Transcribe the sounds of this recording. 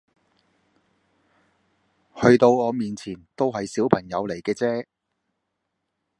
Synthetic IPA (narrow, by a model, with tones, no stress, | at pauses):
hɵ˧ɥt̪o˧wɔː˨˧miː˨nt͡sʰiː˨˩nt̪o˥wɦɐ˨jsiː˨˥wpʰɐ˨˩ŋjɐ˨˧wle˨˩jkɛː˧t͡sɛː˥